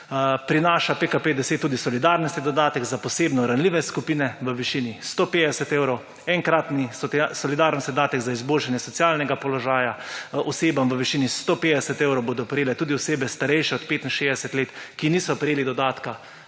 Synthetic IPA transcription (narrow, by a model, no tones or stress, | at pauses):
pɾinaːʃapekapeːd̪ɛset̪ːuːd̪isɔlid̪aːɾnɔst̪id̪ɔd̪aːt̪ɛɡzapɔseːbnɔɾanliʋɛskupiːnɛʋəʋiʃiːnist̪oːpeːd̪ɛsɛt̪eːwɾow | ɛŋkɾat̪nisɔasɔlid̪aːɾnɔst̪id̪aːt̪ɛɡzaizboːlʃanjɛsɔt̪sjalnɛɡapɔlɔʒaːjaɔseːbamʋəʋiʃiːnist̪opeːd̪ɛsɛt̪eːwɾowboːd̪ɔpɾɛjeːlɛt̪uːd̪iɔseːbɛst̪aɾɛjʃɛɔt̪peːt̪inʃeːzd̪ɛsɛt̪leːt̪kiniːsɔpɾɛjeːlid̪ɔd̪aːt̪ka